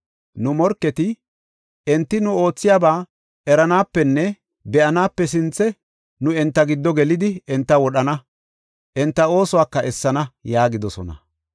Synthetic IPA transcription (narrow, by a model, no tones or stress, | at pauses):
nʊmɔɾkːɛt̪ɪ | ɛnt̪ːɪnʊo̞ːt͡sːɪjaːbaː | ɛɾɐnaːpːɛnːɛ | bɛʔɐnaːpːɛs̬ɪnt͡sːɛ | nʊɛnt̪ːɐɡɪd̪ːɔɡɛlɪd̪ɪɛnt̪ːɐwɔɗɐnɐ | ʔɛnt̪ːɐo̞ːsʊwaːkːɐʔɛsːɐnɐjaːɡɪd̪ɔsɔnɐ̰